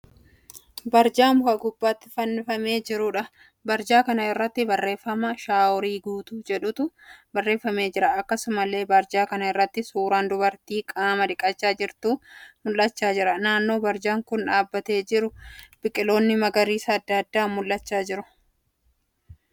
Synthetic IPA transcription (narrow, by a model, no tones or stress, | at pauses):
bɐɾd͡ʒaːmʊɐɡʊbːaːt̪ːɪ̥fɐnːɪfɐme̞ːd͡ʒɪɾʊᶑɐ | bɐɾd͡ʒaːkɐnɐɪrːɐt̪ːɪbɐrːe̞ːfːɐmɐʃaːwʊɾiːɡuːt̪ud͡ʒɛᶑʊt̪ʊbɐrːe̞ːfːɐmeːd͡ʒɪɾɐɐkːɐsʊmɐle̞ːbɐɾd͡ʒaːkɐnɐɪrːɐt̪ːɪsuːɾaːnd̪ʊbɐɾt̪iːkʼaːmɐᶑ̪ɪkʼɐt͡ʃːaːd͡ʒɪɾt̪umʊlːɐt͡ʃːaːd͡ʒɪɾɐnaːnːo̞ːbɐɾd͡ʒaːŋkʊnᶑaːbːɐt̪e̞ːd͡ʒɪɾʊb̥ɪkʼːɪlo̞ːnːɪmɐɡɐɾiːsɐːd̪ːɐd̪ːaːmʊlːɐt͡ʃːaːd͡ʒɪɾʊ̥